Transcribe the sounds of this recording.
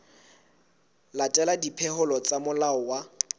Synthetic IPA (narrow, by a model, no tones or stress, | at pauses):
latʼɛladipʰɛhʊlɔt͡sʼamʊlaɔwa